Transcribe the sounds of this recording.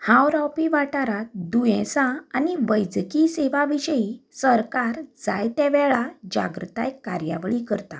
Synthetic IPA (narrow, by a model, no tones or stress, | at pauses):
hãwɾawpiʋaʈaɾad̪ujɛ̃sãaniʋəjd͡zkiseʋaʋiɕəjisəɾkaɾd͡zajt̪ɛʋɛɭad͡ʑa̰ɡɾət̪ajkːaɾja̰ʋɭikəɾt̪a